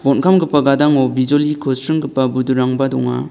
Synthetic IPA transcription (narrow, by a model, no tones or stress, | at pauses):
bɔnkʰamɡɯpːaɡadaŋɔbid͡ʒɔlikʰɯsɾɯŋɡɯpːabuduɾaŋbadɔ̰ŋa̰